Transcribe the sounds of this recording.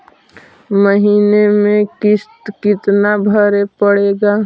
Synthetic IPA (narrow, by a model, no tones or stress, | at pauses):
məɦiːnemẽkɪst̪kɪt̪nabʱəɾepəɽeːɡa